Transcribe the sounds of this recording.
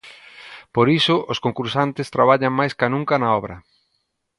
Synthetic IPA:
poɾisʊʔʊskoŋkuɾsant̪ɪst̪ɾaβaʎɐŋmajskanũŋkɐnɐɔβɾɐ

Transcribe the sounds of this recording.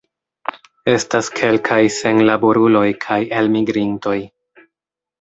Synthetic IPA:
e̞staskʰe̞lkʰajse̞nlaboɾulo̞jkʰaje̞lmiɡɾinto̞j

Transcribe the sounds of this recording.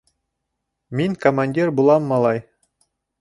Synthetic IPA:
miŋkomanʲdʲirbulˠɑmːɑlˠɑj

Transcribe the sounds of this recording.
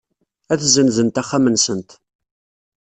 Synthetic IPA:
æθzənzənt̪æχːamənsənt̪

